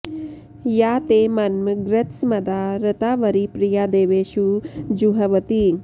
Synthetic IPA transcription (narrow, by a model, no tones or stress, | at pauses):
jaːt̪emɐnməɡɾət̪smɐd̪aɾət̪aːʋəɾipɾijaːd̪eːʋeːʃud͡ʒuɦɐʋət̪i